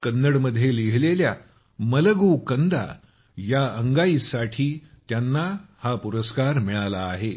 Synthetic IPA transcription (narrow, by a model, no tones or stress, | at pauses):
kənːəɽməd̪ʱːjeliɦlelja̰ | mələɡukənd̪a̰ | jaəŋɡaiːsaʈʰiːt̪janːahapuɾəskaɾmiɭalaːɦe